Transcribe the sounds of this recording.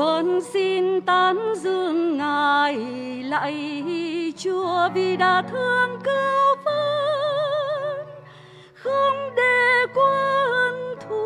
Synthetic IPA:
ə˨˩nsi˧nt̪aː˧nzɨ˧əŋːaː˨˩jla̰ː˧˨ji˧t͡ɕu˧əvi˨˩ɗaː˨˩t̪ʰɨ˧əŋkə˧wfə˧ | xə˧ŋ͡mɗe˧˩kwəː˧hə˧nt̪ʰu˧

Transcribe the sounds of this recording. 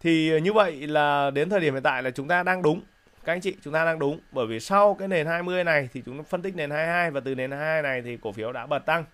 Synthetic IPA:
t̪ʰi˨˩ɲɨ˧və̰˧˨jlaː˨˩ɗe˨˦nt̪ʰəː˨˩ji˧˩m̰˨˧˨t̪a̰ː˧˨jlaː˨˩t͡ɕʊ˨˦ŋ͡mt̪aː˧ɗaː˧ŋɗʊ˨˦ŋ͡m | kaː˨˦˥ʔa˧jŋt͡ɕḭ˧˨t͡ɕʊ˨˦ŋ͡mt̪aː˧ɗaː˧ŋɗʊ˨˦ŋ͡mɓəː˧˩jvi˨˩sa˧wkaː˨˦jne˨˩nhaː˧jmɨ˧əjna˨˩jt̪ʰi˨˩t͡ɕʊ˨˦ŋ͡mfə˧nt̪i˦˥k̟̚ne˨˩nhaː˧jhaː˧jvaː˨˩t̪ɨ˨˩ne˨˩nhajːa˧jna˨˩jt̪ʰi˨˩ko˧˩fi˨˦əwɗa̰ː˧˥ɓə˨˩t̚t̪a˧ŋ

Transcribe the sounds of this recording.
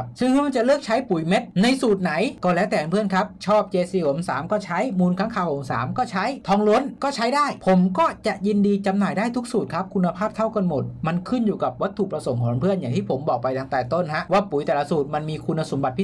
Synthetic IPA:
sɯ˥˧˩ŋkʰɯː˧ma˧nt͡ɕa˨˩lɯː˥˩k̚t͡ɕʰa˦˥jpu˩˦jme˦˥t̪̚na˧jsuː˨˩t̪̚na˩˦jkɔː˧˩lɛː˦˥wt̪ɛː˨˩˧npʰɯ˥˩ənkʰa˦˥p̚t͡ɕʰɔː˥˩p̚t͡ɕeː˧siː˧˩ho˨˩˦msa̰ː˩˦mkɔː˥˩t͡ɕʰa˦˥jmuː˧nkʰa˦˥ŋkʰaː˧˩wʔo˩˦msa̰ː˩˦mkɔː˥˩t͡ɕʰa˦˥jt̪ʰɔː˧ŋlo˦˥nkɔː˥˩t͡ɕʰa˦˥jdaː˥˩jpʰo˩˦mkɔː˥˩t͡ɕa˨˩ʔji˧ndiː˧t͡ɕa˧mnaː˨˩jdaː˥˩jt̪ʰu˦˥k̚suː˨˩t̪̚kʰa˦˥p̚kʰu˧nːa˧pʰaː˥˩p̚t̪ʰa˥˩wka˧nmo˨˩t̪̚ma˧nkʰɯ˥˩njuː˨˩ka˨˩p̚wa˦˥t̪ʰːu˨˩kp̚ɾa˧so˨˩˦ŋkʰɔː˩˦npʰɯ˥˩ənjaː˨˩ŋt̪ʰiː˥˩pʰo˩˦mbɔː˨˩k̚pa˧jt̪aː˧ŋt̪ɛː˨˩t̪o˥˩nha˦˥ʔwaː˥˩pu˨˩˦jt̪ɛː˨˩la˧suː˨˩t̪̚ma˧nmiː˧kʰu˧nːa˧so˩˦mba˨˩t̪̚pʰi˦˥

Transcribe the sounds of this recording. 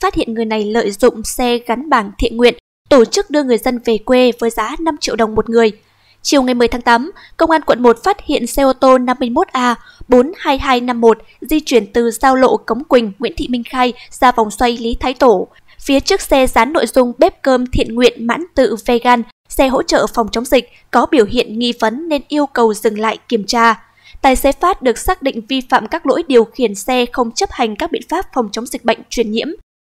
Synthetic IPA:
faː˦˥t̚hḭ˧˨ənŋɨ˨˩əjna˨˩jlə̰ː˧˨jzʊ̰˧˨ŋ͡msɛ˧ɣa˨˦nɓaː˧˩nt̪ʰḭ˧˨ənŋwḭ˧˨ən | t̪o˧˩t͡ɕɨ˦˥k̚ɗɨ˧əŋɨ˨˩əjzə˧nve˨˩kwe˧vəː˨˦jzaː˨˦na˧mt͡ɕḭ˧˨əwɗə˨˩wŋ͡mmo˨˩t̚ŋɨ˨˩əj | t͡ɕi˨˩əwŋa˨˩jm˨˩əjt̪ʰːŋt̪aː˨˦m | kə˧wŋ͡mʔaː˧nkwə̰˧˨nmo˨˩t̚faː˦˥t̚hḭ˧˨ənsɛ˧ʔo˧t̪o˧na˧mːɨ˧əjmo˦˥t̚ʔaː˧ | ɓo˨˦nhaː˧jɦaː˧jna˧mːo˨˩t̚ | zi˧t͡ɕwi˧˩ənt̪ɨ˨˩zaː˧wlo̰˧˨kə˨˦wŋ͡mkwï˨˩ŋ̟ŋwḭ˧˥ənt̪ʰḭ˧˨mï˧ŋ̟xaː˧jz̥aː˧va˨˩wŋ͡mswa˧jli˨˦t̪ʰaː˨˦jt̪o˧˩ | fi˨˦ət͡ɕɨ˦˥ək̚sɛ˧zaː˨˦nːo̰˧˨jzʊ˧ŋ͡mɓe˦˥p̚kəː˧mt̪ʰḭ˧˨ənŋwḭ˧˨ənma̰ː˧˥nt̪ɨ̰˧˨ve˧ɣaː˧n | sɛ˧ɦo̰˧˥t͡ɕə̰ː˧˨fa˨˩wŋ͡mt͡ɕo˨˦wŋ͡mzï˨˩k̟̚ | kɔ˨˦ɓi˧˩əwɦḭ˧˨ənŋḭ˧˨və˨˦nːe˧nʔi˧əwkə˨˩wzɨ˨˩ŋla̰ː˧˨jki˧˩əmt͡ɕaː˧ | t̪aː˧˨jsɛ˧faː˦˥t̚ɗɨ˨˩ək̚saː˦˥k̚ɗḭ̈˧˨ŋ̟vi˧fa̰ː˧˨mkaː˦˥k̚lo̰˧˥jɗi˨˩əwxi˧˩ənsɛ˧xə˧wŋ͡mt͡ɕə˦˥p̚ha˨˩jŋ̟kaː˦˥k̚ɓḭ˧˨ənfaː˦˥p̚fa˨˩wŋ͡mt͡ɕwŋ͡mzï˨˩k̟̚ɓə̰˧˨jŋ̟t͡ɕwi˧˩ənɲḭ˧˥əm

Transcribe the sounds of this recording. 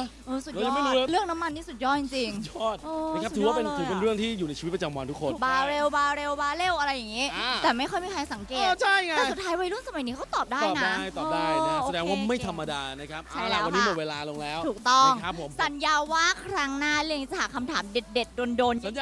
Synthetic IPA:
ʔɤː˧su˨˩˧a˧ɔː˦m˥˩˦ɾɯ˥˩əŋna˦˥mːa˧nːiː˦˥˩su˨˩t̪̚jɔː˥˩t̪̚t͡ɕi˧ŋt͡ɕi˧ŋ̚˨˩ɔː˥˩t̪̚ʔoː˧˦˥kʰt̪ʰːwaː˥˧˩e˧nʰɯː˨˧˦pe˧nɾɯ˥˩əŋt̪ʰiː˥˩juː˨˩na˧jt͡ɕʰːt̚pɾa˧t͡ɕa˧mwa˧nt̪ʰu˦˥kʰo˧nbaː˧ɾe˧wbaː˧ɾe˧wbaː˧le˥˩wʔa˧ɾa˧jːa˨˩ŋiː˦˥˧t̪ɛː˨˩ma˥˩jkʰɔ˥˩jmiː˧˩kʰa˧ksa˩˦ŋkeː˨˩˧t͡ɕʰa˥˩ja˧ɛː˨˩su˩t̪ʰːaː˦˥jwa˧jlu˥ə˩ŋsa˧ma˨˩˦jniː˦˥kʰa˦˥wt̪ɔː˨˩p̚daː˥˩jːnada˥˩jt̪ɔː˨daː˥˩jsa˧dɛː˧ŋwaː˥˩ma˥˩jt̪ʰa˧mːa˧daː˧na˦˥kʰa˦˥p̚ʰa˥a˧˩la˧˩˧wa˧niː˦˧mo˨˩t̪̚weː˧laː˧lo˧ŋlɛː˦˥wʔ̪ʰuː˨˩k̚t̪ɔ˥˩ŋkʰa˦˥p̚ʰːo˨˩˦msa˨˩˦njaː˧waː˥˩kʰɾa˦˥ŋnaː˥˩ɯ˥˩˨ŋiː˨˦˥t͡ɕa˨˩haː˨˩kʰa˧mt̪ʰaː˩˦mde˨˩t̪̚de˨˩t̪̚doː˧ndoː˧n˨˩

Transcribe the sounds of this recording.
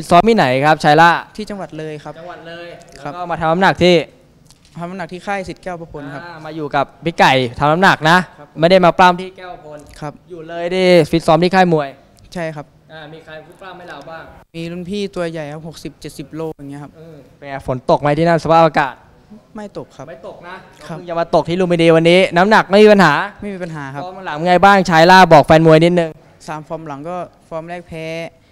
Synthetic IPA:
fi˦˥sɔː˦˥mːiː˧˥˩na˩˦jkʰa˦˥p̚t͡ɕʰaː˧jla˧˥˩t̪ʰiː˥˩t͡ɕa˧ŋwa˨˩t̪̚lɤː˧jkʰa˦˥pt͡ɕa˧ŋwa˨˩t̪̚lɤː˧jkʰːa˦˥kɔ˧˥˧maː˧t̪ʰa˧na˦˥mna˨˩k̚t̪ʰiː˥˩ | t̪ʰa˧mna˦mna˨˩k̚t̪ʰiː˥˩kʰaː˥˩jsi˨˩t̪̚kɛː˥˩wpa˧˩kʰo˧nkʰa˦˥pmaː˧juː˨˩ka˨˩p̚pi˦˥˩ka˨˩jt̪ʰa˧mna˦˥mna˨˩k̚na˦˥ma˥˩jda˥˩jmaː˧plaː˥˩mt̪ʰiː˥˩kɛː˥˩pa˧˩kʰo˧nkʰa˦˥p̚juː˨˩lɤː˧jdaː˥˩jfi˦˥t̪̚sɔː˦˥mt̪ʰiː˥˩kʰaː˥˩jmu˧əj | t͡ɕʰa˥˩jkʰa˦˥p̚ʔaː˧˩miː˧kʰa˧jʰu˦˥klaː˥˩mha˥˩jlaː˨˦˩baː˥˩ŋmiː˧lu˧˥˩npʰiː˥˩t̪u˧ɐja˨˩jkʰa˦˥p̚ho˨˩k̚si˨˩p̚t͡ɕe˨˩t̪̚si˨˩p̚loː˥˩k̚ja˨˩ŋːi˦˥kʰa˦˥pʔɯː˧˩pɛː˨˩fo˩˦nt̪o˨˩k̚ma˧jt̪ʰiː˥˩na˥˩nsa˧pʰa˦˥˩ʔ̚aː˧kaː˨˩t̪̚ | ma˥˩jt̪o˨˩kʰa˦˥ma˥˩jt̪o˨˩k̚na˦˥˦ | ɯ˧ŋt͡ɕa˨˩maː˧t̪o˨˩k̚t̪ʰiː˥˨uː˧mi˧ndiː˧wa˧nːiː˦˥na˦˥mna˨˩k̚ma˥˩miː˧pa˧nɦaː˩˦ma˥˩jmiː˧pa˧nɦaː˩˦kʰa˦˧mla˩˦ŋŋa˧jbaː˥˩ŋt͡ɕʰaː˦˥jlaː˥˩bɔː˨˩k̚fɛː˧nmu˧əjni˦˥t̪̚nɯ˧ŋ | saː˨˩˦mfɔː˧mla˩˦ŋkɔː˥˩ | fɔː˧mlɛː˥˩k̚pʰɛː˦˥

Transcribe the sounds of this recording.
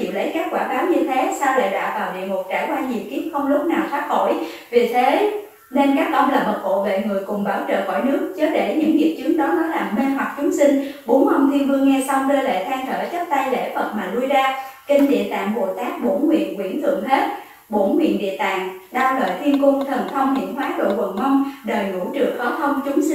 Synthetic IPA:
ḭ˧˨wlə̰˧˥jkaː˦˥k̚kwaː˧˩kaː˨˦wɲɨ˧t̪ʰe˨˦saː˧wla̰ː˧˩ɗa̰ː˧vaː˨˩wɗḭ˧˨əŋʊ˨˩k͡p̚t͡ɕaː˧˩jkwaː˧ɲi˨˩wki˨˦˥əp̚xə˧wŋ͡mlʊ˦˥k͡p̚naː˨˩wsaː˦˥t̚xo̰˧˩˨j | vi˨˩t̪ʰe˨˦ | ne˧nkaː˦˥k̚ʔə˧wŋ͡mlaː˨˩mə˨˩t̚ɓo̰˧˨vḛ˧˨ŋɨ˨˩əjkʊ˨˩ŋ͡mɓaː˧˩wt͡ɕə̰ː˧˨xɔ̰˧˩jnɨ˦˥ək̚t͡ɕəː˨˦ɗe˧˩ɲɨ̰˧˥ŋzi˨˩ət̚t͡ɕɨ˨˦əŋɗɔ˨˦nɔ˨˦laː˨˩me˧nɦwa˨˩k̚t͡ɕʊ˨˦ŋ͡msï˧ŋ̟ɓo˨˦nmə˧wŋ͡mt̪ʰi˧ənvɨ˧əŋɛ˧sa˧wŋ͡mɗəː˧lḛ˧˨t̪ʰaː˧ŋt̪ʰəː˧˩t͡ɕə˦˥p̚t̪a˧jlḛ˧˥˩fə˨˩t̚maː˨˩lu˧əjzaː˧kï˧ŋ̟ɗḭ˧˨ət̪a̰ː˧˨ŋɓo˨˩t̪aː˦˥k̚ɓo˧˩˥nkwḭ˧˨ənkwḭ˧˩ənt̪ʰɨ̰˧˨əŋɦe˦˥t̚ | ɓo˧˥nwḭ˧˨ənɗḭ˧˨ət̪a̰ː˧˨ŋɗaː˧wləː˨˩jt̪ʰi˧ənkʊ˧ŋ͡mt̪ʰə˨˩nt̪ʰə˧wŋ͡mhḭ˧˩ənhwaː˨˦ɗo̰˧˨və̰˨˧˩ŋmɔ˧wŋ͡mɗəː˨˩jnṵ˧˩t͡ɕɨ˨˩əŋxɔ˨˦t̪ʰə˧wŋ͡mt͡ɕʊ˨˦ŋ͡msi˧

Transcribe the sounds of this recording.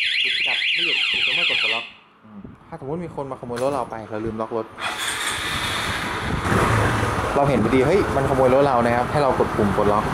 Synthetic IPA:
ki˨˩t̪̚ka˨˩p̚lɯ˥˩ju˨˩k̚uː˨˩t̪ːm˥˩ko˨˩t̪̚ko˨˧˩lɔ˦˥k̚ | ʔɯː˧˩mt̪ʰaː˥˩so˩˦m˦˥t̪̚miː˧kʰo˧nmaː˧ka˧mu˧jlo˦˥t̪̚ɾa˧wpa˧jkʰːlɯː˧mlɔ˦˥k̚lo˦˥t̪̚ | ɾa˧wɦe˩˦npa˧diː˧ɦɤ˦˥˩jma˧nkʰa˧mu˧jlɾo˦˥t̪̚ɾa˧wna˦˥kʰa˦˥p̚t̪ʰa˥˩ɾa˧wko˨˩t̪̚kʰu˧mko˨˩lɔ˦˥k̚

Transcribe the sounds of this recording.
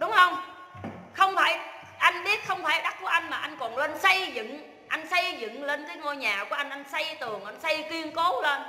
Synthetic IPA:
ɗʊ˨˦ŋ͡mhə˧wŋ͡m | xə˧wŋ͡mfaː˧˩j | ʔa˧jŋ̟ɓi˦˥ət̚xə˧wŋ͡mfaː˧˩jɗa˦˥ku˨˩˦ʔa˧jŋ̟maː˨˩ʔa˧jŋ̟kɔ˨˩nle˧nsə˧jzɨ̰˧˨ŋ | ʔa˧jŋ̟sə˧jzɨ̰˧˨ŋle˧nt̪əː˨˦jŋo˧jɲaː˨˩ku˧˩ʔa˧jŋ̟ʔa˧jŋ̟sə˧jt̪ɨ˨˩əŋʔa˧jŋ̟sə˧jkwi˧ənko˨˦le˧n

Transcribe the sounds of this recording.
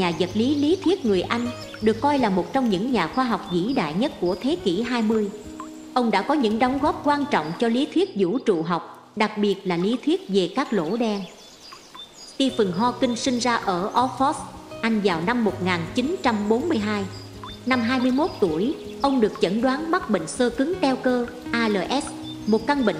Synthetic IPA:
ɲaː˨˩zə˨˩t̚li˨˦li˨˦t̪ʰwi˦˥ət̚ŋɨ˨˩əjʔa˧jŋ̟ | ɗɨ˨˩əkːɔ˧jlaː˨˩mo˨˩t̚t͡ɕɔ˧wŋ͡mɲɨ̰˧˥ŋɲaː˨˩xwaː˧ɦɔ˨˩wk͡p̚zḭ˧˥ɗa̰ː˧˨jɲə˦˥t̚ku˧˩ət̪ʰe˨˦ki˧˩ɦaː˧jmɨ˧əj | ʔə˧wŋ͡mɗa̰ː˧˥kɔ˨˦ɲɨ̰˧˥ŋɗɔ˨˦wŋ͡mɣɔ˦˥p̚kwaː˧nt͡ɕɔ̰˧˨wŋ͡mt͡ɕɔ˧li˨˦t̪ʰwi˦˥ət̚zṵ˧˩t͡ɕṵ˧˨ɦɔ˨˩wk͡p̚ | ɗa˨˩k̚ɓi˨˩ət̚laː˨˩li˨˦t̪ʰwi˦˥ət̚ve˨˩kaː˦˥k̚lo̰˧˥ɗɛ˧n | t̪i˧fɨ˨˩ŋɦɔ˧kï˧ŋ̟sï˧ŋ̟zaː˧ʔəː˧˩ʔɔ˨˦˥fɔ˦˥sʔa˧jŋ̟vaː˨˩wna˧mːo˨˩t̚ŋaː˨˩nt͡ɕi˨˦nt͡ɕa˧mɓo˨˦nmɨ˧əjɦaː˧j | na˧mɦaː˧jmɨ˧əjmo˦˥t̚t̪u˧˩əj | ʔə˧wŋ͡mɗɨ˨˩ək̚t͡ɕə̰˧˩nɗwaː˨˦nɓa˦˥t̚ɓḭ˧˨ŋ̟səː˧kɨ˨˦ŋt̪ɛ˧wkəː˧ | ʔaː˧ləː˧˩ʔɛ˦˥s | mo˨˩t̚ka˧ŋɓḭ˧˨ŋ

